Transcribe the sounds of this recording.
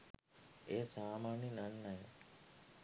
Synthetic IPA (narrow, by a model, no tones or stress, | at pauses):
eːsaːmaːninanːaj